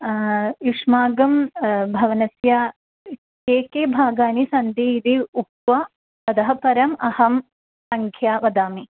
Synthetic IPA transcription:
jiʂmaːɡɐmbʱɐʋɐnɐsja | keːkeːbʱaːɡaːnisɐnd̪iːd̪iuk̚t̪ʋa | sɐd̪ɐɦɐpɐɾɐmɐhɐm | sɐŋkʰjaːʋɐd̪aːmi

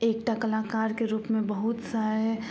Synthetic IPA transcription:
eːkʈakəlaːkaːɾkeɾuːpmẽbəɦʊt̪saːɾɦɛ

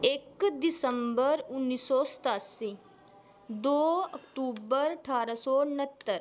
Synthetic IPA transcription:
eːkd̪isəmbəɾʊnːisːɔst̪aːsi | d̪oːɐkʈuːbəɾʈʰaːɾasɔːnət̪ːəɾ

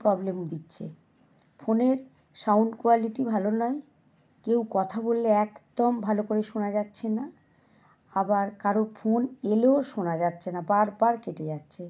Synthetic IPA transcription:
pɾɔblemd̪itːɕʰḛ | fʰoneɾ | sawnɖkoaliʈibʱalonɔe | kewkɔt̪ʰabolːeɛkd̪ɔmbʱalokoɾeʃonad͡ʑatːɕʰena | abaɾkaɾofʰoneleoʃonad͡ʑatːɕʰenabaɾbaɾkeʈed͡ʑatːɕʰe

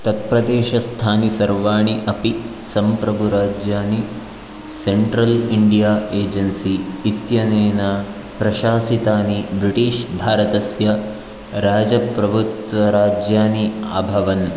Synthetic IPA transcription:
t̪ɐt̪̚pɾɐd̪eːʃɐst̪ʰaːnisɐɾʋaːɳiʔɐpi | sɐmpɾɐbʱuɾaːd͡ʒjaːni | seɳʈɾɐliɳɖijaːeːd͡ʒɐnsiːt̪jɐneːnɐ | pɾɐʃaːsit̪aːnibɾiʈiːʃbʱaːɾɐt̪ɐsjɐ | ɾaːd͡ʒɐpɾɐbʱut̪ʋɐɾaːd͡ʒjaːniaːbʱɐʋɐn

